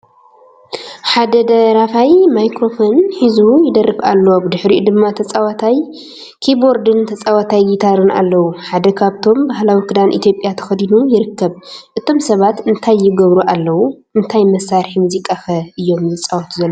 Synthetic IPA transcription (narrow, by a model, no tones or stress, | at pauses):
ħad̪ɐd̪ɐɾafajmajkɾo̞fo̞nħizujɪd̪ɐrːɨfa̰lːoobɨd̪ɨħɾiʔud̪ɨmːat̪ʰɐt͡sʼawat̪ʰaj | kʰiboɾd̪ɨnt̪ʰɐt͡sʼawat̪ʰajɡit̪ʰaɾɨna̰lːɐwuħad̪ɐkʰaβt̪ʰo̞mbaɦlawikʰɨd̪anʔḭt̪jo̞pʼjat̪ʰɐ̥xɐd̪inujɪɾɨkːɐβʔɨt̪ʰo̞msɐβat̪ɨnt̪ʰajːɪɡɐβɾuʔalːɐwu | ɨnt̪ʰajmɐsːaɾħimuzikʼaxɐʔɨjːo̞mjɨt͡sʼawɐt̪ʰuzɐlː